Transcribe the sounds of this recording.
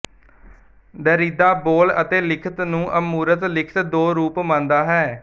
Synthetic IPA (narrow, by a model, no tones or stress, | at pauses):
d̪əːɾiːd̪aːboːlət̪eːlɪkʰət̪nũːʔəmuːɾət̪lɪkʰə̥t̪d̪oːɾuːpmãnd̪aːɦɛː